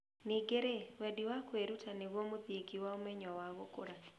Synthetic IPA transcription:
neɡeɾewɛdiwakweɾutʰaneβwɔmoðeɡiwaomɛɲɔwaɣokoɾa

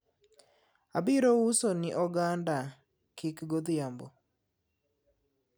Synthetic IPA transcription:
abiɾousonɪʔɔɡanda | kɪkɡod̪jambo̰

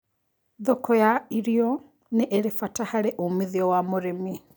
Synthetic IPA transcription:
ðɔkɔjaiɾiɔ | neʔːɾefatahaɾeʔumiðiɔwamoɾemi

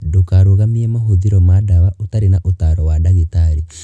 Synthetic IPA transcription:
dokaɾoɣamiemaɦoðiɾɔmadaβaotaɾenaʔotaɾɔwadaɣitaɾi

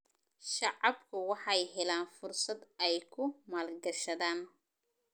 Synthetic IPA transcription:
ʃɑʕɑbkʰʊwɑħɑjɦɛlaːnfʊrsɐd̪ɛjkʰʊmaːlɡɐʃɐðaːn

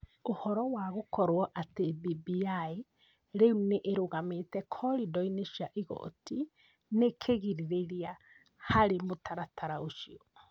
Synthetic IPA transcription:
ohɔɾɔwaɣokɔɾwɔʔatebibiai | ɾeuneʔeɾoɣametɛkʰɔɾidɔineʃjaʔiɣɔ̰ti | nekʰeɣiɾiɾeɾia | haɾemotʰaɾatʰaɾaoʃiɔ

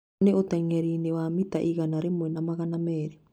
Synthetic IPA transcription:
neotɛŋɛɾinewamitaʔiɣanaɾemwɛnamaɣanamɛːɾe

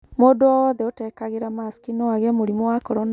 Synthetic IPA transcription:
modoɔðɛotɛkaɣeɾamaskinoaɣɛmoɾimowakɔɾɔn

